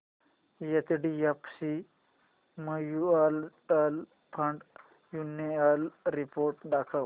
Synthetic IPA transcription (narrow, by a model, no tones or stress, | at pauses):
jet̪ɖijɐpsi | məjualʈəl | pʰɐɳɖ | junealɾipoːɾʈɖakʰəw